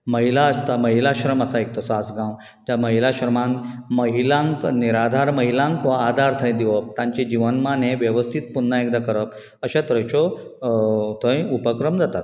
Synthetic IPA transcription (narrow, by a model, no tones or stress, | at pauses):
məɦilaəst̪aməɦilaɕɾəməsaek̚t̪əsɔad͡zɡãw | t̪jaməɦilaɕɾəmãŋməɦilãŋkniɾad̪ʱaɾməɦilãŋkʋaːd̪ʱaɾt̪ʰə̃j̃d̪iʋəp̚t̪ãɲt͡ɕed͡ʑiʋənmaneʋjəʋəst̪ʰit̪̚punːaek̚d̪akəɾəp | əɕat̪ɾə̃jt͡ɕɔ | t̪ʰə̃jupəkɾəmd͡zat̪at̪